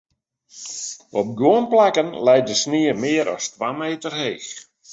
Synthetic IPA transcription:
ɔp̚ɡoənplakənlɛjt̚dəsniəmɪəɾʔɔ̰stʋaːmeːtərheːx

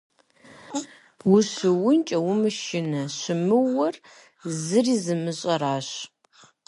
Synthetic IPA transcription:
wʊɕɨwʊnt͡ʃʼɐwʊmɨʃɪnɐɕɪmɨwɐr | zɨriːzɨmɨɕʼɐɾaːɕ

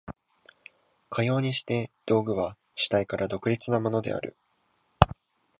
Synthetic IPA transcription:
kʰajo̞ːɲ̟iɕi̥t̪e̞d̪̥o̞ːɡɯ̟βa | ɕi̥t̪aikaɾʔad̪o̞kɯ̟ɾʲit͡sɨnamo̞no̞d̪e̞̰a̰ɾɯ̟̰

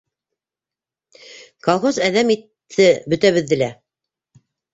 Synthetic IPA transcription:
kolˠχozæðæmit̪ʰːɘbɵ̆t̪æβɘ̆ðːɘ̆læ

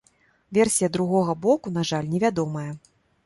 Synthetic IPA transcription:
vʲɛrsʲijɐd̪ɾuɣɔɣɐbɔkun̪aʐalʲnʲɛvʲad̪ɔmɐjɐ

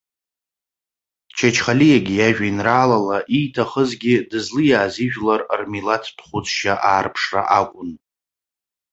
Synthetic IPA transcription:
t͡ʃʰat͡ʃʰχalijaɡʲijaʒᶣainraːlalaʔijtʰaχəzɡʲɪdɨzlɨjaːziʒᶣlarrmilatʰpʰχʷʊt͡sʰʼʃaʔaːrpʰʂra̰ʔakʷʼʊn

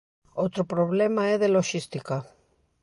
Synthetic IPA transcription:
ot̪ɾopɾoβlemaɛðeloʃist̪ika

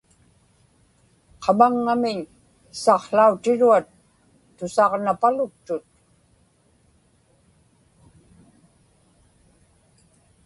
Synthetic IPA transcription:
qʰɑmaŋːamɪɲ | sɑqɬaut̪ɪɻuat̪ː | ʊsɑʁnapalʊk̚t̪ʊt̪̚

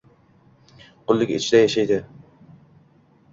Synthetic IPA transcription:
qʰʊlˠːɪkʲɪ̰t͡ʃʰd̪ɛjaʃajd̪ɪ

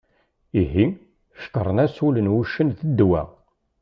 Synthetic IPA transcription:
iɦi | ʃə̥kə̰ɾˤənæsulənwuʃənðəd̪ːwæ̰

